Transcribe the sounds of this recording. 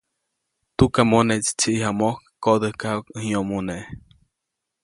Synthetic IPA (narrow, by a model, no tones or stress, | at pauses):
t̪ukamõnet͡ʃt͡ʃiʔihamokkod̪əhkakhĩõmũne